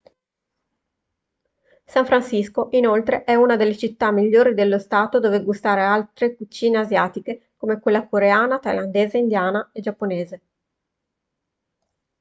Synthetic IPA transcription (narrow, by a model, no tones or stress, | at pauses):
saɱfɾansiskoʔinolt̪ɾeʔɛunad̪elːet͡ʃit̪ːamːiʎːoːɾid̪elːost̪aːt̪od̪oːveɡust̪aːɾealt̪ɾekut͡ʃːiːneazjaːt̪ike | komekwelːakoɾeaːnat̪ajland̪eːzeind̪jaːnaed͡ʒapːoneːze